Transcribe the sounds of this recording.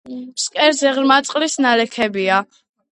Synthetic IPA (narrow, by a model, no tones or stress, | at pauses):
pskʼɛɾzɛʁɾmat̪sʼqʼlisnalɛkʰɛbia